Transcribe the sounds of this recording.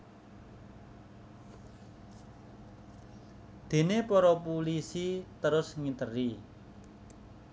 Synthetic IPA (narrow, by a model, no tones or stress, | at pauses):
d̪̥e̤nepɔɾɔpulisit̪əɾʊsŋit̪əri